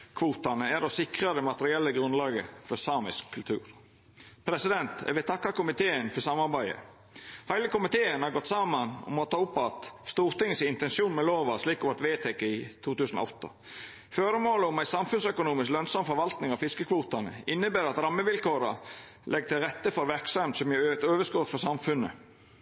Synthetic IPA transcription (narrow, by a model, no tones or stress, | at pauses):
kʰʋuːt̪ɑnəæɾɔsɪkɾəd̪ɛmɑt̪əɾɪɛlːəɡɾʉnlɑːɡə̰fɔsɑːmɪskʰːʉlt̪ʰʉ̰ːɾ | pʰɾɛsɪd̪ɛnt̪ɛ̰ʋɛt̪ʰɑkːɑkʊmɪt̪ʰeːənfɔsɑmɑɾbæɪə̰ | hæɪləkʊmɪt̪ʰeːənhɑɾɡɔt̪sɑmənɔ̰mɔt̪ʰɑːʊpːɑt̪st̪uːɾt̪ɪŋːəsɪɪnt̪ɛnsuːnmɛloːʋɑsliːkɔʋɑt̪ʋeːt̪ʰɛkːəɪt̪ʰuːt̪ʉːsənɔ̰ɔt̪ːə̰ | fœɾəmoːləɔmæɪsɑmfʉnsœkʊnuːmɪsklœnsɑmfɔɾʋɑlt̪nɪŋɑʋfɪskəkʰʋuːt̪ɑnə̰ɪnːəbæːɾɑt̪ɾɑmːəʋɪlkoːɾə̰ | lʔɛɡt̪ʰɪlɾɛt̪ːəfɔɾʋæɾksɑmt̪sɔmjæøt̪øːʋəskɔt̪fɔsɑmfʉnə̰